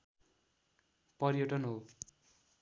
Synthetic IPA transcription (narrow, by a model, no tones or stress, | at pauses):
pʌɾjoʈʌnɦo